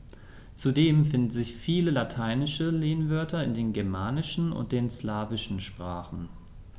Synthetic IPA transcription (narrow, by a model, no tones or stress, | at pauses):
t͡sudeːmfɪndn̩zɪçfiːləlatʰaɪnɪʃəleːnvœɐtʰɐɪndeːnɡɛɐmaːnɪʃn̩ʊ̰nt̚d̥eːnslaːvɪʃn̩ʃpʁ̥aːχn̩